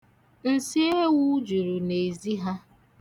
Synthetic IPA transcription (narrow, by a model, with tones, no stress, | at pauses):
n̩˨si˦e˦wu˦d͡ʒu˨ɾu˨ne˨zi˦ɦa˦